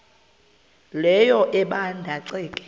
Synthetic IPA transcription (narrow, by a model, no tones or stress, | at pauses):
lɛjɔʔɛɓandʱaǀiːkʼɛ̥